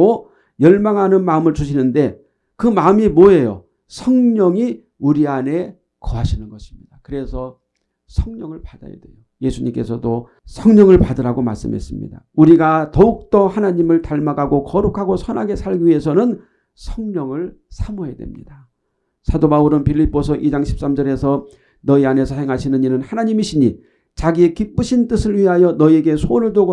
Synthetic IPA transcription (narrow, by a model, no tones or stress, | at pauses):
o | jʌɭmaŋɦanɯnmaɯmɯɭt͡ɕuɕʰinɯnde̞ | kɯmaɯmimoe̞jo̰ | sʰʌŋɲʌŋi | uɾiane̞ | kʌɦaɕʰinɯnɡʌɕʰi̥mɲid̥akɯɾe̞sʰʌ | sʰʌŋɲʌŋɯɭpad̥a̰ja̰dwe̞̰jo | je̞sʰuɲimk͈e̞sʰʌdo | sʰʌŋɲʌŋɯɭpadɯɾaɡoma̰ɭs͈ɯ̰mɦe̞̰s͈ɯmɲḭda̰uɾiɡatʌuk̚t͈ʌhanaɲimɯɭtaɭmaɡaɡokʌɾukʰaɡosʰʌnaɡe̞sʰaɭɡiɥiɦe̞sʰʌnɯn | sʰʌŋɲʌŋɯɭsʰamoɦedwḛmɲḭda | sʰadobauɾɯnpiʎːip͈ːosʰʌʔid͡ʑaŋɕʰi̥p̚s͈amd͡ʑʌɾe̞sʰʌ | nʌiane̞sʰʌhe̞ŋɦaɕʰinɯɲinɯnhanaɲimiɕʰiɲi | t͡ɕaɡiekip͈ɯɕʰint͈ɯsʰɯɭɥiɦajʌnʌie̞ɡe̞sʰonɯɭdoɡo